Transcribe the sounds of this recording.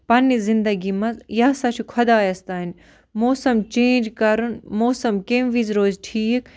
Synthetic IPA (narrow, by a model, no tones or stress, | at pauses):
pɐnːizind̪ɐɡimɐzjɐːsɐt͡ʃʰukʰɐd̪aːjɐst̪aːinʲ | moːsɐmt͡ʃeːnd͡ʒkɐɾunmoːsɐmkemʋizɾoːzʈʰiːk